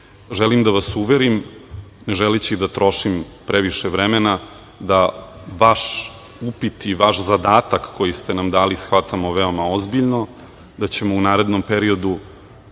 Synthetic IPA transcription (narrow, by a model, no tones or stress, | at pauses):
ʒɛlimd̪aʋasuʋeɾimne̞ʒelet͡ɕid̪at̪ɾo̞ʃimpɾeʋiʃeʋɾemena | d̪aʋaʃ | upit̪iʋaʃzad̪aːt̪akːo̞jist̪enamd̪aːlisxʋat̪amo̞ʋe̞o̞maozbiʎno̞ | d̪at͡ɕe̞mo̞unaːɾe̞d̪nompeɾio̞d̪u